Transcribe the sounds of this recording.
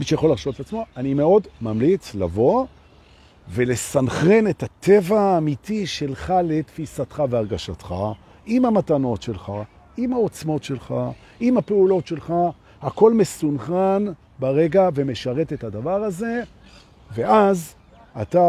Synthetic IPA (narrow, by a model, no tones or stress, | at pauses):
miʃejaχo̞laʁʃovetat͡smo̞animeo̞dmamlit͡sla̰vo̞ | ve̞le̞sanχe̞ne̞tat̪evaːmitiʃe̞lχale̞tfisatχaveaʁɡaʃatχa̰ | imamatano̞tʃe̞lχa | imhao̞t͡smo̞tʃe̞lχa | imapeulo̞tʃe̞lχa | hako̞lme̞sunχan | baʁe̞ɡave̞me̞ʃaʁe̞tethadavaʁaze̞ | ve̞az | ata